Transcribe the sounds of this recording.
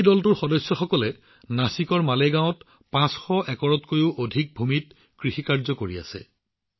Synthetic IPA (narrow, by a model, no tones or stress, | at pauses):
dɔltʊɹxɔdɔsːɔxɔkɔlɛ | nasikɔɹmaleɡãw̃t | pãsxɔʔɛkɔɹɔtkojuʊʔodʱik̚bʱumit | kɹixikaɹzɔkoɹia̰sɛ̰